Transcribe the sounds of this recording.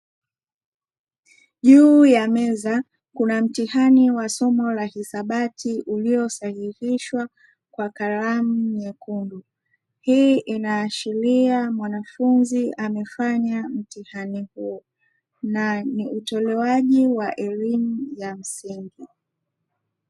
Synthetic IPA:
ʄuːjamɛza | kunam̩tihaniwasɔmɔlahisaɓatʰiʔuliɔsahiɾiʃwa | kwakaɾam̩ɲɛkundu | hiːʔinaːʃiɾiamwanafunziʔamɛfaɲam̩tihanihuɔ | naniutɔlɛwaʄiwaʔɛlimujam̩siŋɡi

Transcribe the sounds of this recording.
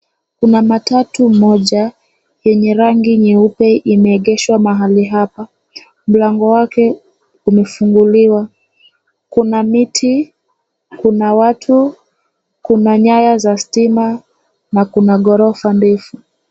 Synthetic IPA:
kunamatatumɔʄa | jɛɲɛɾaŋɡiɲiupɛʔimɛːɠɛʃwamaɦaliɦapa | m̩laŋɡɔwakɛ | umɛfuŋɡuliwa | kunamitʰi | kunawatʰu | kunaɲajazastima | nakunaɠɔɾɔufanbɛfu

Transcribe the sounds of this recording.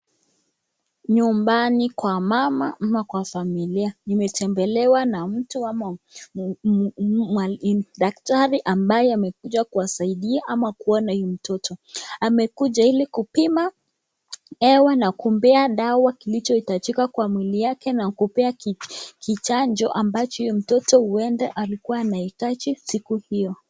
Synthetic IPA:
ɲumbanikwamamamakwafamilianimɛtɛmbɛlɛwanam̩tuama | aɗak̚taɾiʔambajɛamɛkuʄakuasaiɗiaʔamakuɔnaim̩tɔtʰɔamɛkuʄailikupima | ɛwanakumbɛaɗawakilit͡ʃɔitat͡ʃikakwamwilijakɛnakupɛakʰit͡ʃand͡ʒɔʔambat͡ʃɔijɔm̩tɔtɔhuɛndɛʔalikuwaːnaitat͡ʃisikuhijɔ

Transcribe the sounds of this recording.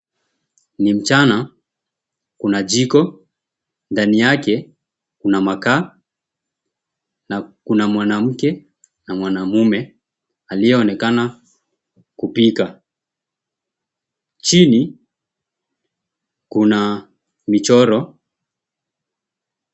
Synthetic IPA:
nim̩t͡ʃana | kunad͡ʒikɔ | ndanijakɛ | kunamakaː | nakunamwanam̩kɛ | namwanamumɛ | alijɛɔnɛkana | kupika | t͡ʃini | kuna | mit͡ʃɔɾɔ

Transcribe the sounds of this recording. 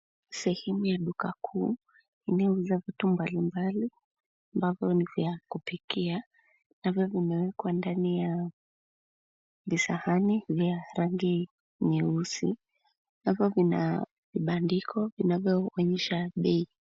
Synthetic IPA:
sɛhɛmujaɗukakʰuː | inɛuzavitumbalimbali | ambavjɔnivjakupikia | navjɔvinawɛkwandanija | visahanivjaɾaŋɡi | nɛusḭ | navjɔvina̰ | viɓandikʰɔvinavjɔɔɲɛʃaɓɛi

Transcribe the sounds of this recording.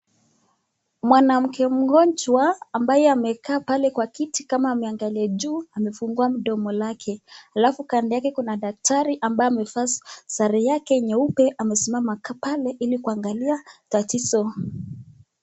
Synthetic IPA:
mwanam̩kɛm̩ɡɔnt͡ʃwaːmbajɛamɛkaːpalɛkwakitikamaːmɛaŋɡaliad͡ʒuːamɛfuŋɡuam̩ɗɔmɔlakʰɛhalafukandɛjakɛkunaɗak̚taɾiʔambajamɛfasaɾɛjakɛɲɛupɛʔamɛsimamakapalɛʔilikuaŋɡaliatatizɔ

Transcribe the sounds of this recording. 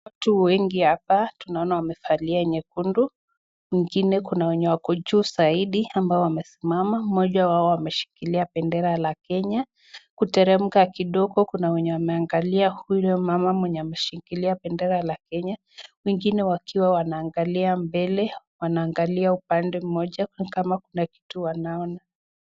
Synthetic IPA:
watuwɛŋɡihapatunaɔnawamɛfaliaɛɲɛkundu | wiŋɡinɛkunawɛɲɛwakɔd͡ʒuːzaiɗiambaɔwamɛsimamam̩mɔʄawaɔwamɛʃi̥kiliapɛndɛɾalakɛɲa | kutɛɾɛm̩kakiɗɔɡɔkunawɛɲɛwamɛaŋɡaliahulɔmamamwɛɲɛamɛʃikiliapɛndɛɾalakɛɲa | wɛŋɡinɛwakʰiwawanaːŋɡaliambɛlɛ | wanaːŋɡaliaupandɛm̩mɔʄakamakunaki̥tuwanaɔna

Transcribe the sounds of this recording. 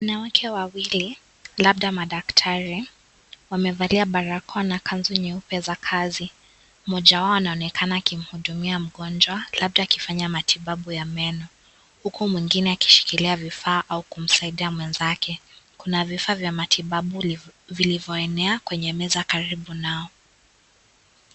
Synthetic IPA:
wanawakʰɛwawili | laɓɗamaɗaktʰaɾi | wamɛvaliaɓaɾakʰɔnakʰanzuɲɛupɛzakʰazi | mɔʄawaɔanaɔnɛkʰanaːkim̩huɗumiam̩ɠɔnd͡ʒwalaɓ̚ɗaːkifaɲamatʰiɓaɓujamɛnɔ | hukumwiŋɡinɛaki̥ʃi̥kiliavifaːʔaukum̩saiɗiamwɛnzakʰɛkunavifaːvjamatʰiɓaɓuvilivjɔɛnɛakwɛɲɛmɛzakaɾiɓunaɔ

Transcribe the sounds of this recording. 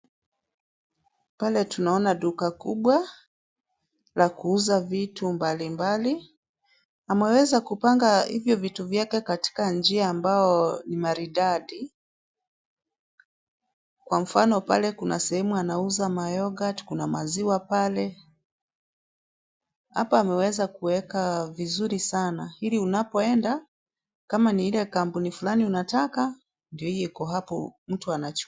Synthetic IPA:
palɛtunaɔnaɗukakuɓwa | lakuuzavitumbalimbali | amɛwɛzakupaŋɡahḭvjɔvituvjakɛkati̥kand͡ʒiaːmbaɔnimaɾiɗaɗi | kwam̩fanɔpalɛkunasɛhɛmuanauzamajɔɡati̥kunamaziwapalɛ | ha̰paamɛwɛzakuwɛkavizuɾisanahiliunapɔɛnda | kamaniilɛkampunifulaniunataka | ndiɔhijɔikɔɦapɔm̩tuanat͡ʃ

